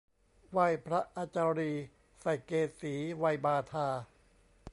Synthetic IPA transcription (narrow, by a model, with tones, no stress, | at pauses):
wa˧jpʰɾa˦˥ʔaː˧t͡ɕaː˧ɾiː˧ | sa˨˩jkeː˧siː˩˦wa˧jbaː˧t̪ʰaː˧